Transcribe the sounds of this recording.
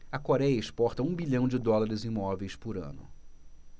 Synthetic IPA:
ɐkoɾɛjɐɪspɔɾt̪ɐũbiʎɐ̃w̃d͡ʒɪd̪ɔlaɾɪzĩmɔvejspʊɾɐ̰̃nʊ̰

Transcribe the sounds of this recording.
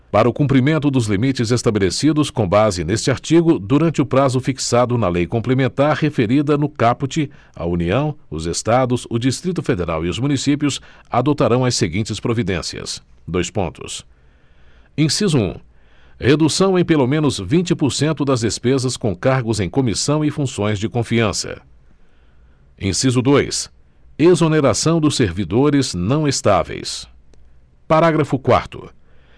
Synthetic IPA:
paɾɐʊkũpɾimẽnt̪ʊd̪ʊzlimit͡ʃɪzest̪abelesid̪ʊskõbazɪnest͡ʃɪaɾt͡ʃiɡʊd̪uɾɐ̃nt͡ʃɪʊpɾazʊfiksad̪ʊnɐlejkõmplemẽnt̪aɾhefeɾid̪ɐnʊkapʊt͡ʃɪ | ɐ̰uniɐ̃w̃ʊzest̪ad̪ʊsʊd͡ʒist̪ɾit̪ʊfed̪eɾa̰wiʊzmũnisipjʊsad̪ot̪aɾɐ̃w̃ɐseɡĩnt͡ʃɪspɾovid̪ẽsiɐ̰sd̪ojspõ̰nt̪ʊ̰s | ẽsizʊṵ̃ | hed̪usɐ̃w̃ẽj̃pelomẽnʊzvĩnt͡ʃɪpʊɾsẽnt̪ʊd̪ɐzd̪espezɐskõkaɾɡʊzẽj̃kõmisɐ̃w̃ɪfũsõj̃zd͡ʒɪkõfiɐ̃sɐ̰ | ẽsizʊd̪ojs | ezoneɾasɐ̃w̃d̪ʊseɾvid̪oɾɪznɐ̃w̃est̪avḛjs | paɾaɡɾɐfʊkwa̰ɾt̪ʊ̰

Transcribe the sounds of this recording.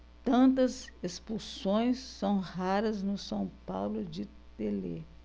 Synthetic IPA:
t̪ɐ̃nt̪ɐzespusõj̃sːɐ̃w̃haɾɐznʊsɐ̃w̃pawlʊd͡ʒɪ | t̪elḛ

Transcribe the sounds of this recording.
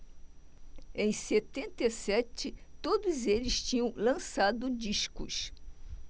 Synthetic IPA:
ẽj̃set̪ẽnt̪esɛt͡ʃɪt̪od̪ʊzelɪst͡ʃĩɲɐ̃w̃lɐ̃sad̪ʊd͡ʒiʃkʊ̰s

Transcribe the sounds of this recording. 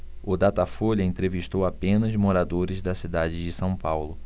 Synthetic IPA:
ʊd̪at̪afoʎɐẽnt̪ɾeviʃt̪owapẽnɐzmoɾad̪oɾɪzd̪ɐsid̪ad͡ʒɪd͡ʒɪsɐ̃w̃pawlʊ

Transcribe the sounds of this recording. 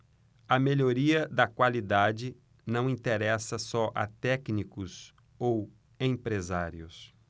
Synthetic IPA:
ɐmeʎoɾiɐd̪ɐkwalid̪ad͡ʒɪ | nɐ̃w̃ĩt̪eɾɛsɐsɔʔɐ̰t̪ɛknikʊs | ow | ẽpɾezaɾiʊs

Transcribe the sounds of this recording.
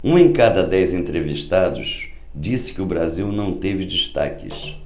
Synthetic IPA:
ũẽkad̪ɐd̪ɛjzẽnt̪ɾeviʃt̪ad̪ʊʃ | d͡ʒisɪ̥kɪʊbɾaziwnɐ̃w̃t̪evɪd͡ʒiʃt̪a̰kɪ̰s

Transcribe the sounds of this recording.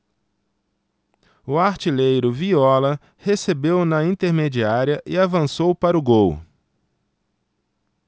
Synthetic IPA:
ʊaɾt͡ʃilejɾʊviɔlɐ | hesebewnɐĩnt̪eɾmed͡ʒiaɾiɐʔɪavɐ̃sowpaɾʊɡow

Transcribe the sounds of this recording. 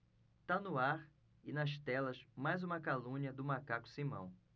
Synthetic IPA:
t̪anʊaɾ | ɪnɐʃt̪ɛlɐzmajzũmɐkalũɲiɐd̪ʊmakakʊ̥simɐ̰̃w̃

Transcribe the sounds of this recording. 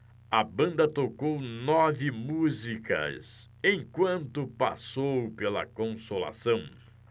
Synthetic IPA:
ɐbɐ̃nd̪ɐt̪okownɔvɪmuzikɐ̰s | ẽj̃kwɐ̃nt̪ʊpa̰sowpelɐ̰kõsola̰sɐ̃w̃

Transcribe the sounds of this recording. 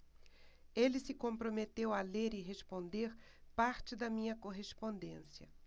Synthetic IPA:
elɪsɪkõmpɾomet̪ewɐleɾɪɦespõnd̪eɾ | paɾt͡ʃɪd̪ɐmĩɲɐkoɦespõnd̪ẽsjɐ

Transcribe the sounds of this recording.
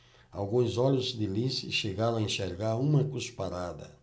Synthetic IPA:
a̰wɡũzɔʎʊzd̪ɪlisɪʃeɡaɾõaẽʃeɾɡaɾũmɐkuspaɾad̪ɐ̰

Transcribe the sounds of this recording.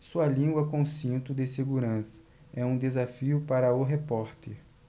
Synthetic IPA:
suɐlĩɡwɐkõsĩnt̪ʊd̪ɪseɡuɾɐ̃sɐ̥ | ɛũd̪ezafiʊpaɾɐʊɦepɔɾt̪eɾ

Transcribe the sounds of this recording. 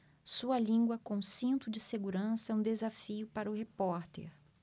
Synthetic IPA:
suɐlĩɡwɐkõsĩnt̪ʊd͡ʒɪseɡuɾɐ̃sɐũd̪ezafiʊpaɾɐʊɦepɔɾt̪ḛɾ

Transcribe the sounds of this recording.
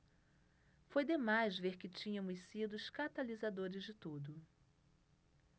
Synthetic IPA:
fojd̪emajzveɾkɪt͡ʃĩɲɐmʊssid̪ʊskat̪alizad̪oɾɪzd͡ʒɪt̪ud̪ʊ

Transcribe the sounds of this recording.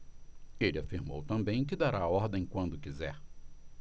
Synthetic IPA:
elɪafiɾmo̰wt̪ɐ̃mbẽj̃k̬ɪd̪aɾaːɔɾd̪ẽj̃kwɐ̃nd̪ʊkizɛɾ

